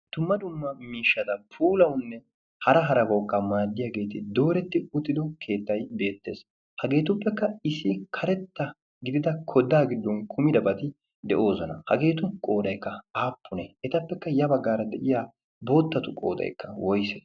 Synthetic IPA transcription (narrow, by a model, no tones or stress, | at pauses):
d̪̥ʊmːɐd̪ʊmːɐmiːʃːɐt̪ɐpʰuːlɐwʊnːɛ | hɐɾɐɦɐɾɐbɔkʼːamaːd̪ːɪjaːɡe̞ːt̪ɪd̪o̞ːɾɛt̪ːɪʊt̪ːɪd̪ɔkʰe̞ːt̪ːɐjbe̞ːt̪ːe̞̰ːs | hɐɡe̞ːt̪ʊpːɛkːɐɪsɪkʰɐɾɛt̪ːɐ | ɡɪd̪ɪd̪ɐkʰɔd̪aːɡɪd̪ːɔnkʰʊmɪd̪ɐbɐt̪ɪ | d̪ɛʔo̞ːsɔnɐ̰hɐ̰ɡe̞ːt̪ʊkʼo̞ːd̪ɐjkːɐaːpːʊnɛɛt̪ɐpːɛkːɐjɐbɐɡːaːɾɐd̪ɛʔɪjaː | bo̞ːt̪ːɐt̪ʊkʼo̞̰ːd̪ɐ̰jkːɐwɔjsɛ